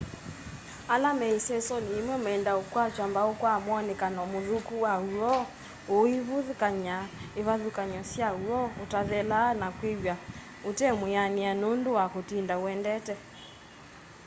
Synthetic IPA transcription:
alamɛisɛsɔniemwɛmɛndaokwat͡ʃambaokwamwɔnɛkanɔmoðukuwauɔ | oiβuðukaɲaeβaðukaɲɔsjauɔotaðɛlanakweβja | otɛmweanianondowakotindaoɛndɛtɛ

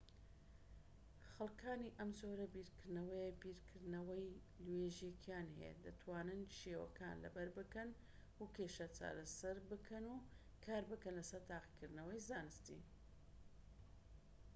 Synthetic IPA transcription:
xɐlˠkʰaːniʔɐmzoːɾɐbiːɾkʰɨɾd̪nɐwɐjebiːɾkʰɨɾnɐwɐj | lweːʒjekʰijaːnhḛd̪ɐt̪ʰwaːnɨnʃeːwɐ̰ka̰ːnlɐ̰bɐɾbɨkɐn | wukʰeːʃɐt͡ʃʰa̰ːɾɐsɐɾbɨkʰɐnu | kʰaːɾbɨkɐnlɐsɐɾt̪ʰaːqi̥kɨɾd̪nɐwɐjzaːnɨst̪ḭ

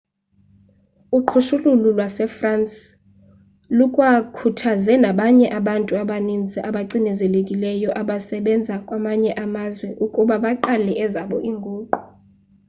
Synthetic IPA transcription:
uǃʰuʃulululwasɛfransʼ | lukʼwakʰutʰazɛnaɓaɲɛʔaɓantʼuaɓanind͡zʱiʔaɓaǀinɛzɛlekʼilɛjɔʔaɓasɛɓɛnd͡zʱakʼwamaɲɛʔamazwɛʔukʼuɓaɓaǃalɛʔɛzaɓɔʔiŋɡʱoːǃu̥

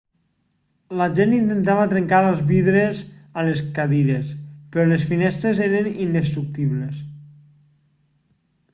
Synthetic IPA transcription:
laʒenint̪ent̪aβət̪ɾeŋkaɾəlˠzβiðɾezaleskaðiɾespəɾɔlesfinɛst̪ɾezeɾenind̪est̪ɾuk̚t̪iβles

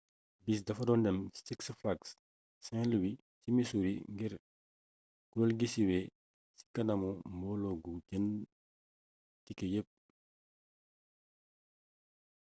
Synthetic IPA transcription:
bis̬dɐfɐdɔndɛmstiksflaks | sɛ̃luwi | simisuɾḭŋɡiɾ | ɡudolɡisiwɛ | si̥kɐnɐmɔmbɔːlɔɡuɟɐn | tikəjəp̚

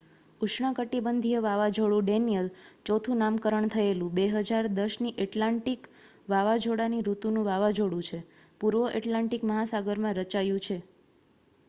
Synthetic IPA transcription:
uʃɳakəʈibənd̪ʱieʋaʋad͡ʒoɽũɖenijəlt͡ʃɔt̪ʰũnamkəɾəɳt̪ʰəelũbeɦəd͡ʒaɾd̪əʃniʔeʈlaɳʈik | ʋaʋad͡ʒʱoɽaniɾut̪unũʋaʋad͡ʒʱoɽũt͡ʃʰe | puɾʋəʔeʈlãɳʈikməɦasaɡəɾmãɾət͡ʃajũt͡ʃʰe

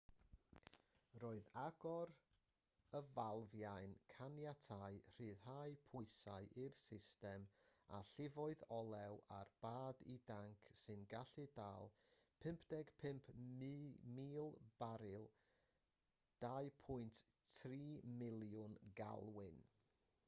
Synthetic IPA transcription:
roːɨðaɡɔɾ | əvalˠvjajnkʰanjatʰaɨr̥ɨːðhajpʰʊɨsa̰ɨʔɪrsɪstɛma̰ɬɪvɔɨðɔlˠɛwarb̥aːdidaŋkʰsɨnɡaɬɨdaːlˠ | pʰɪmpʰd̥ɛɡ̥pʰɪmpʰ | miːlˠb̥aɾɪlˠ | d̥aɨpʰʊɨnttθʰriːmɪlˠjʊnɡa̰lˠwɪn

